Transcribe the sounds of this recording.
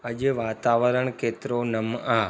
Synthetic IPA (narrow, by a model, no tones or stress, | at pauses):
əd͡ʒeʋaːt̪aːʋəɾəɳkeːt̪ɾonəmaː